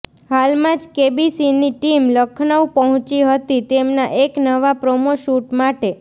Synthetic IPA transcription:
halmãd͡ʒkebisiniʈimləkʰnəwpəɦɔ̃t͡ʃiɦət̪it̪emnaʔeknəʋapɾomoʃuʈmaʈe

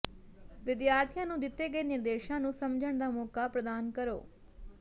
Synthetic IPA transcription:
ʋɪd̪jaːɾt̪ʰijãːnũːd̪ɪt̪ːeːɡəeːnɪɾd̪eːʃãːnũːsɐmd͡ʒʱəɳ̃d̪aːmɔːkaːpɾəd̪aːnkəɾo̰ː

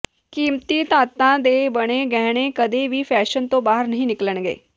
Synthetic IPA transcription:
kiːmt̪iːt̪aːt̪ãːd̪eːbəɽ̃eːɡɛːɽ̃eːkəd̪eːʋiːpʰɛːʃənt̪õːbaːɦəɾnəɦĩːnɪkləɳ̃ɡḛː

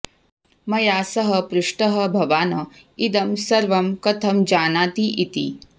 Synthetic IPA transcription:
mɐjaːsɐɦɐpɾuʂʈɐɦɐbʱɐʋaːnɐid̪ɐmsɐɾʋɐmkɐt̪ʰɐmd͡ʒaːnaːt̪iʔit̪ḭ

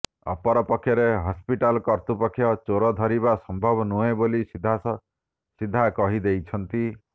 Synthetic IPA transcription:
ɔ̰pɔɾɔpɔkʰːjɔɾeɦɔspiʈalɔkɔɾt̪upɔkʰːjɔt͡ʃoɾɔd̪ʱɔɾiβasɔmbʱɔbɔnuebolisid̪ʱas | sid̪ʱːakɔɦid̪ejt͡ʃʰɔnt̪i

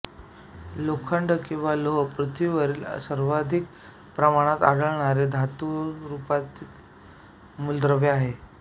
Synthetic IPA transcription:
lokʰəɳɖəkĩw̃ʋaloɦpɾət̪ʰiʋəɾiːlsəɾʋad̪ʱik | pɾəmaɽ̃at̪a̰ɽəɭɳaɾed̪ʱat̪uɾupat̪iːt̪ | muld̪ɾəʋeaɦe

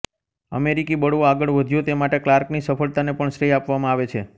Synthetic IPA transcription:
ə̰meɾikibəɽʋoaɡəɭʋəd̪ʱjõt̪emaʈeklaɾknisəfəɭt̪anepəɳʃɾejapʋamãaʋet͡ʃʰe

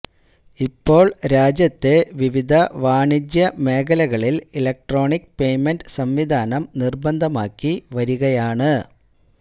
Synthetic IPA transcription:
ipːo̞ːɭɾaːd͡ʑjɐt̪ːe̞ʋiʋid̪ʱɐʋaːɳid͡ʑjɐmeːkɐlɐɣɐɭililɐk̚ʈro̞ːɳikːpe̞jmenɖsɐmʋid̪ʱaːnɐmnirbɐnd̪ʱɐmaːkːiʋɐɾuɣɐjaːɳɨ

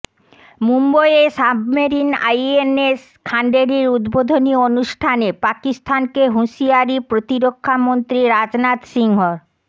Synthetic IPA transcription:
mumbojesabʱmeɾina̰jenes | kʰaɳɖeɾiɾud̪bod̪ʱonionuʃʈʰanepakist̪ʰankeɦuʃiaɾipɾot̪iɾokʰːamont̪ɾiɾad͡ʑnat̪ʃiŋɦoɾ

